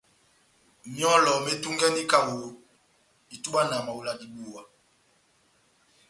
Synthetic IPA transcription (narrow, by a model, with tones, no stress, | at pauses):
mi˦ɔ˦lɔ˨me˦tu˦ŋɡɛ˦ndi˦ka˦wo˨ | i˨tu˦ɓa˦na˨ma˨wu˨la˨di˨ɓu˨wa˨